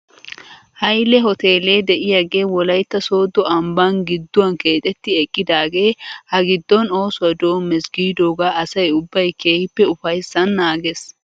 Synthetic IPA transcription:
hɐjlɛɦɔt̪eːle̞ːd̪ɛʔɪjɐɡe̞ːwɔlɐjt̪ːɐso̞ːd̪ɔɐmbanɡɪd̪ːʊwɐnke̞ːt̪ʼɛt̪ːɪɛkʼːɪd̪aːɡe̞ːhɐɡɪd̪ːɔno̞ːsʊwɐd̪o̞ːmːɛsɡiːd̪o̞ːɡaːʔɐsɐjʊbːɐjkʰe̞ːhɪpːɛʊfɐjsːɐnːaːɡes

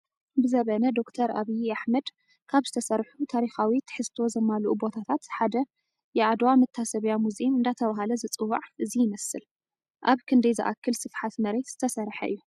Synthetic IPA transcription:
bɨzɐβɐnɐd̪o̞kt̪ʰɐɾʔa̰βijaħmɐd̪ | kʰaβzɨt̪ʰɐsɐrħut̪ʰaɾixawit̪ʰɨ̥ħɨst̪ʰo̞zɐmːalʔubo̞t̪ʰat̪ʰat̪ħad̪ɐ | jɛʕad̪wamɨt̪ʰːasɐβjamuzimɨnd̪at̪ʰɐβaɦalɐzɨt͡sʼɨwa̰ʕʔɨzijɪmɐsɨl | ʔaβkʰɨnd̪ɐjzɨ̰ʔa̰kʰːɨlsɨfħat̪mɐɾe̞t̪z̥ɨt̪ʰɐsɐɾħɐ̰ʔɨ̰jːu

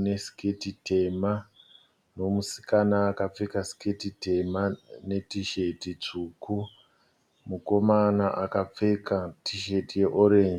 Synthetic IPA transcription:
neskʰetite̞ma | no̞musi̥kanaːkap͡fekasi̥kʰetite̞mane̞tiʃe̞tit͡ʂuːku | muko̞manaʔakap͡fekatiʃe̞tije̞ʔoɾe̞ːnd͡ʒi

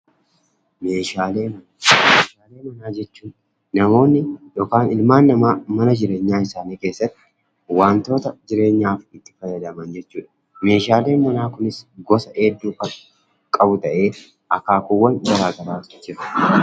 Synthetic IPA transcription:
me̞ːʃaːle̞ːmɐnameːʃaːle̞ːmɐnaːd͡ʒɛt͡ʃːuːn | nɐmo̞ːnːɪjoːkaːnɪlmaːnːɐamɐnɐd͡ʒɪɾe̞ːɲːaːɪsaːniːkeːsːɐt̪ːɪ̥ | waːnt̪o̞ːt̪ɐd͡ʒɪɾe̞ːɲːaːfɪt̪ːɪ̥fɐjːɐd̪ɐmɐnd͡ʒɛt͡ʃːuːᶑɐ̥ | me̞ːʃaːle̞ːnmɐnaːkʊnɪsɡɔsɐʔeːd̪ːuːkɐ | kʼɐbʊt̪ɐʔe̞ː | ʔɐkaːkuwːɐnɡɐɾaːɡɐɾaːd͡ʒɪɾɐ̥

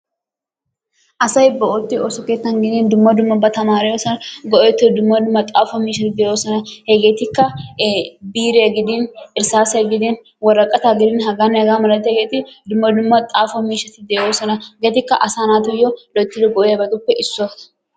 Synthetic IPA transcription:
ʔɐsɐɪbːɐɔt̪ːɪɔsɔkeːt̪ːɐnɡɪd̪iːnd̪ʊmːɐd̪ʊmːɐbɐt̪ɐmaːɾɛjɔsɐnɐɡɔʔeːt̪ːɪd̪ʊmːɐd̪ʊmːɐt̪ʼaːfɔmiːʃɐt̪ɪd̪eːwosɐnɐhɛɡeːt̪ɪkːɐ | biːɾeɐɡɪd̪iːnɪɾsaːsɐɡɪd̪in | wɐɾɐkʼːɐt̪aːɡɪd̪ɪːnɦɐɡaːnːɛɐɡaːmɐlɐt̪ːɛɡeːt̪ɪd̪ʊmːɐd̪ʊmːɐt̪ʼaːfɔmiːʃɐt̪ɪd̪eːosɐnɐɡeːt̪ɪkːɐʔɐsaːnaːt̪ʊjːɔlɔt̪ːɪlʊɡɔʔeɐbɐt̪ʊpːɛʔɪsːɔ

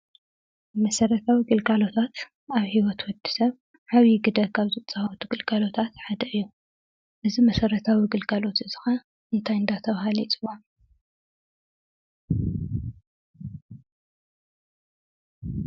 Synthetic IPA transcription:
mɐsɐɾɐt̪ʰawiɡɨlɡalo̞t̪ʰat̪ | aβhiwɔt̪wɔd̪i̥sɐβ | ħaβiɡɨd̪ɐkʰaβzɨt͡sʼɐhawt̪ʰuɡɨlɡalo̞t̪ʰat̪ħad̪ɐɨjːu | ʔɨzimɐsɐɾɐt̪ʰawiɡɨlɡalo̞t̪ɨz̥ɨxɐ | ʔɨnt̪ʰajɨnd̪at̪ʰɐβhalit͡sʼɨwan

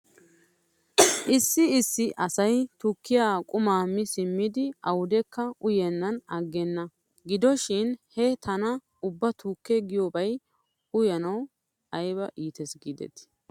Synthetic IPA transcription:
ʔɪsːɪɪsːɪʔɐsɐjt̪ʊkːɪjaːkʼʊmaːmːɪsɪmːɪd̪ɪɐwʊd̪ɛkːɐʔʊjɛnːɐnɐɡːɛnːɐ | ɡɪd̪ɔʃɪnhɛt̪ʰɐnɐ | ʊbːɐt̪ukːɛɡɪjoːbɐj | ʊjɐnɐw | ɐjbɐʔiːt̪ɛsɡid̪ɛ̰t̪ɪ̥

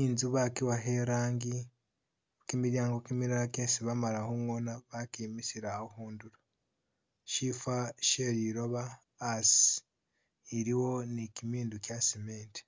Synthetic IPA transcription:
inzuβakiwaɦeɾaːŋɡi | kimiɾjaːŋɡokimiɾaɾakensiβamalahomwonaβakimisiɾaohuːnduɾo | ʃifaʃeɾiɾoβaː | si | iɾiwo̞nikimiːndukjasimeːnti̥

